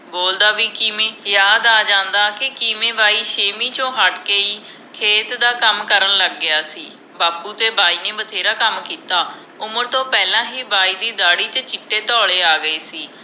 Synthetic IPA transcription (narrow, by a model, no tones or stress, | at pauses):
boːld̪aːʋiːkiːmẽːjaːd̪aːd͡ʒãːnd̪aːkɪkiːmẽːbaːiːʃeːmiːt͡ʃõːɦəʈkeːiː | kʰeːt̪d̪aːkəmkəɾənləɡːɪjaːsiː | baːpuːt̪eːbaːiːneːbət̪ʰeːɾaːkəmkiːt̪aː | ʊməɾt̪õːpɛːlãːɦiːbaːiːd̪iːd̪aːɽiːt͡ʃət͡ʃɪʈːeːt̪ɔːleːaːɡəeːsiː